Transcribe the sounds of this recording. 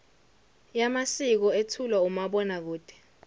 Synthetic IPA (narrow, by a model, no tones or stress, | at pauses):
jamasik̬ɔetʰulwaumaɓɔnak̬uːd̥ʱɛ̥